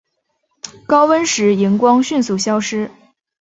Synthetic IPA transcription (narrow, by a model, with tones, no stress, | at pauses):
kɑ˥ʊwə˥nʂɻ̩˧˥i˧˥ŋkwɑ˥ŋɕy˥˧nsu˥˩ɕjɑ˥ʊʂɻ̩˥